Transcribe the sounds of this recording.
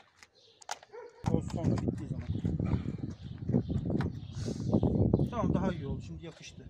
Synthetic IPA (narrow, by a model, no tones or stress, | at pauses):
osonɾabʲit̪ʰːiːzaman | t̪ʰamamd̪aɦajolˠʃimd̪ijakʰɯʃt̪ʰɯ